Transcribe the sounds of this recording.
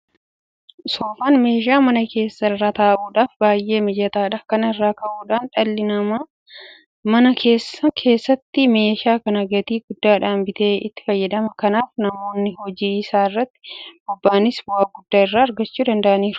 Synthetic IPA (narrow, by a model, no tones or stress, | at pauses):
so̞ːfaːnme̞ːʃ̬aːmɐnɐkʰe̞ːsːɐɪrːaːt̪aːʔuːᶑaːfbaːjʔe̞ːmɪd͡ʒɐt̪aːᶑɐkɐnɐɪrːaːkɐʔuːᶑaːnᶑɐlːɪnɐmaː | mɐnɐkʰe̞ːsɐkʰe̞ːsːɐt̪ːɪme̞ːʃaːkɐnɐɡɐt̪iːɡʊd̪ːaːᶑaːmbɪt̪e̞ːɪ̰t̪ːɪ̥fɐjːɐd̪ɐmɐkɐnaːfnɐmo̞ːnːɪhɔd͡ʒiːɪsaːɪrːɐt̪ːɪ̥b̥ʊbːaːnɪsbʊaːɡʊd̪ːaːɪrːaːɐɾɡɐt͡ʃːuːd̪ɐnd̪ɐʔɐniːɾʊ